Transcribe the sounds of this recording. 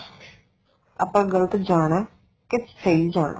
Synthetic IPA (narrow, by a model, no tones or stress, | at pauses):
aːpãːɡələt̪d͡ʒaːɽ̃aː | kɪsəiːd͡ʒaːɽa̰